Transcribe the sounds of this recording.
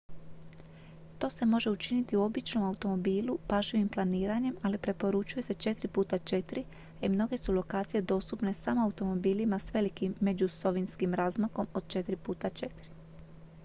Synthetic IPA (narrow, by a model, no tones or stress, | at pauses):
t̪o̞ːse̞mo̞ʒe̞ut͡ʃinit̪iuo̞bit͡ʃno̞maut̪o̞mo̞biːlupaʒiʋimplˠaniːɾaɲe̞malipɾe̞po̞ɾut͡ʃuje̞se̞t͡ʃe̞t̪ɾipuːt̪at͡ʃe̞t̪ɾi | imno̞ɡe̞sulo̞kaːt̪sije̞d̪o̞ːst̪upne̞samoaut̪o̞mo̞biːlimasʋe̞likimːe̞d͡ʒuso̞ʋinskimɾaːzmako̞mo̞d̪̥̚t͡ʃe̞t̪ɾipuːt̪at͡ʃe̞t̪ɾi̥